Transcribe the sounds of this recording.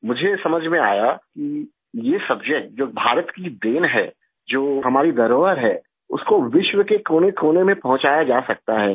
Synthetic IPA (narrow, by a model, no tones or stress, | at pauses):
mʊd͡ʒʱesɐməd͡ʒʱmẽa̰ːjaki | jesɐbd͡ʒək̚ʈ̚d͡ʒoːbʱaːɾət̪kid̪eːnɦɛː | d͡ʒoːɦɐmaːɾid̪ɐɾoːʋəɾɦɛː | ʊ̰skoʋɪʃwəkekoːnekoːnemẽpɐɦʊ̃t͡ʃaːjad͡ʒaːsɐk̚t̪aɦɛː